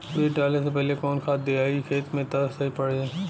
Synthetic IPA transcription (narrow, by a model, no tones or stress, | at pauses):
beːʈaːlesep̬ɛɦlekɔːnkʰaːt̪d̪eaːikʰeːt̪mẽt̪ɐɾəfsɐɦipɐɽeẽː